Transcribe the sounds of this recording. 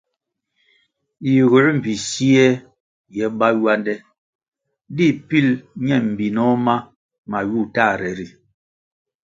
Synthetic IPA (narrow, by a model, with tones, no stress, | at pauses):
ji˨ɣu˨˦ɾm̩˨pi˨si˦ɛ˦ | jɛ˨˦ba˦jwa˦ndɛ˦ | di˦˨pi˦lɲɛ˦˨m̩˨bi˨nɔ˦ma˦ | ma˨ju˦˨ta˦˨ɾɛ˨ɾi˨